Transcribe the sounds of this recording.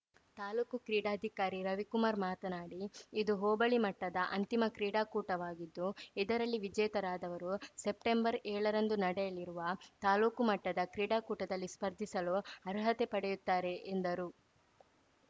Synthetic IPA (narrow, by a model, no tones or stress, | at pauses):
t̪aːluːkukɾiːɽaːd̪ʱikaːɾiɾɐʋikumaːɾmaːt̪ɐnaːɽiːd̪uɦoːbɐɭimɐʈːɐd̪ɐʔɐnt̪imɐkɾiːɽaːkuːʈɐʋaːɡid̪ːuid̪ɐɾɐlːiʋid͡ʒɛːjt̪ɐɾaːd̪ɐʋɐɾusep̚ʈembɐɾɛːɭɐɾɐnd̪unɐɽɛjɐliɾuʋɐt̪aːluːkumɐʈːɐd̪ɐkɾiːɽaːkuːʈɐd̪ɐlːispɐɾd̪ʱisɐluɐɾɦɐt̪epɐɽɛjut̪ːaːɾe̞ʔːnd̪ɐɾu